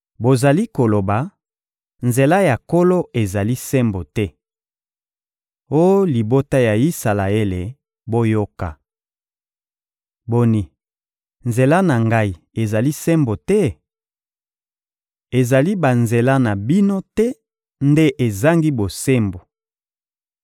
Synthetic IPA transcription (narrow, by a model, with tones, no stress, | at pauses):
bo˨za˨li˦ko˨lo˨ba˨ | nze˨la˦ja˨ko˦lo˦e˨za˨li˦se˦mbo˨tɛ˦ | o˦jo˦li˨bo˦ta˦ja˨i˦sa˨la˨e˦le˨ | bo˦jo˦ka̰˨ | bo˨ni˨ | nze˨la˦na˨ŋɡa˦i˨ | e˨za˨li˦se˦mbo˨tɛ˦ | e˨za˨li˦ba˨nze˨la˦na˨bi˦no˦tɛ˦ | nde˦ʔe˨za˦ŋɡi˦bo˨se˦mbo˨